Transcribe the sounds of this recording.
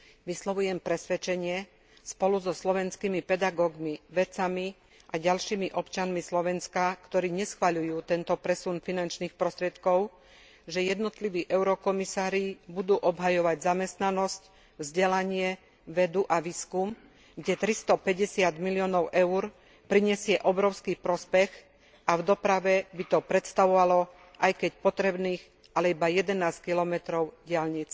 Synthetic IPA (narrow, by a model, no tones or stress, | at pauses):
ʋislɔʋujɛmpɾɛsʋɛt͡ʃɛɲɪɛ | spɔluzɔslɔʋɛnskiːmipɛd̪aɡɔːɡmiʋɛt͡sami | ʔaɟalʃiːmiʔɔpt͡ʃanmislɔʋɛnskakt̪ɔɾiːɲɛsxʋaʎujuːt̪ɛnt̪ɔpɾɛsunfinant͡ʃniːxpɾɔst̪ɾɪɛt̪kɔʊ | ʒɛjɛd̪nɔt̪liʋiːʔɛʊɾɔkɔmisaːɾibud̪uːʔɔbɦajɔʋaɟzamɛst̪nanɔsc | vzɟɛlaɲɪɛ | ʋɛd̪uʔaʋiːskum | ɡɟɛt̪ɾist̪ɔpɛɟɛsɪad̪milɪɔːnɔʊʔɛʊuɾ | pɾiɲɛsɪɛʔɔbɾɔʊskipɾɔspɛx | avd̪ɔpɾaʋɛbit̪ɔpɾɛt̪st̪aʋɔʋalɔ | ʔajkɛcpɔt̪ɾɛbniːx | ʔalɛibajɛd̪ɛnaːskilɔmɛt̪ɾɔʊɟɪalɲit͡s